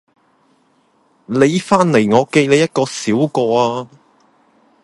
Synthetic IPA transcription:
le˨˧jfaː˥nle˨˩jŋɔː˨˧ke˧jle˨˧jɐ˥t̚kɔː˧siː˨˥wkɔː˧aː˧

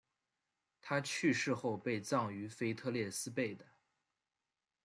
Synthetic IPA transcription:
t̪ʰa˥t͡ɕʰy˥˧ʂɻ̩˥˧xo˥˧ʊpe˥˧ɪt͡sɑ˥˩ŋy˧˥fe˥ɪt̪ʰɤ˥˧ljɛ˥˩sɹ̩˥pe˥˩ɪd̪ə˩

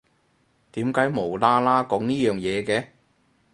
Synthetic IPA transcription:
t̪iː˨˥mkaː˨˥jmo˨˩wlaː˥laː˥kɔː˨˥ŋniː˥jœː˨˩ŋjɛː˨˧kɛː˧

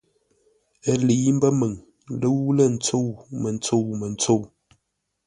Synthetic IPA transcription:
ə˨li˨˦m̩˦bə˦mə˨ŋ | lə˦wu˦lə˦˨n̩˦t͡so˦˨wmə˨n̩˦t͡so˦˨wmə˨n̩˦t͡so˦˨w

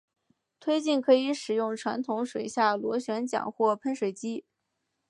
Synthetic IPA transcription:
t̪ʰwe˥ɪt͡ɕi˥˩nkʰɤ˧˥i˧˥ʂɻ̩˨˩jʊ˥˩ŋʈ͡ʂʰwa̰˧˥nt̪ʰʊ˧˥ŋʂwe˨˩ɪɕja˥˩lwɔ˧˥ɕɥɛ˧˥nt͡ɕjɑ̰˨˩ŋxwɔ˥˩pʰə˥nʂwe˨˩ɪt͡ɕi˥

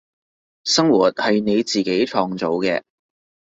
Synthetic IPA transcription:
sɐ˥ŋwuː˨˩t̚hɐ˨jne˨˧jt͡siː˨˩ke˨˥jt͡ʃʰɔː˨˧ŋt͡so˨˧wkɛː˧

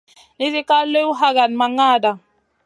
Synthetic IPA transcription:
ni˦zi˦ka˦le˦u˦ɦa˦ɡa˨n˨ma˨ŋa˦˨da˨

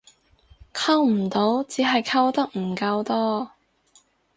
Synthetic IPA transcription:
kʰɐ˥wm̩˨˩t̪o˨˥wt͡siː˨˥ɦɐ˨jkʰɐ˥wt̪ɐ˥k̚m̩˨˩kɐ˧wt̪ɔː˥

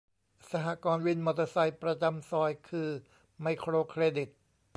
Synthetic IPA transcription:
sa˧ɦaː˨˧˦kɔː˧nwi˧nmo˧˩t̪a˧sa˧jpɾa˧t͡ɕa˧msɔː˧jkʰɯː˧ | ma˧jkʰɾoː˧kʰɾeː˧di˨˩t̪̚

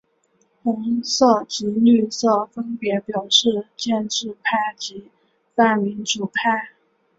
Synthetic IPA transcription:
xʊ˧˥ŋsɔ˥˩t͡ɕi˧˥ny˥˧sɔ˥˩fə˥npjɛ˧˥pjɑ˨˩ʊʂɻ̩˥˧t͡ɕjɛ˥˧nʂɻ̩˥˧pʰa˥˩ɪt͡ɕi˧˥ | fa˥˩mi˧˥nʈ͡ʂu˨˩pʰa˥˩ɪ

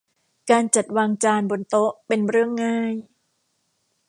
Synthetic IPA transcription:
kaː˧nt͡ɕa˨˩t̪̚waː˧ŋt͡ɕaː˧nbo˧nt̪o˦˥ʔpe˧nɾɯ˥˩əŋːaː˥˩j

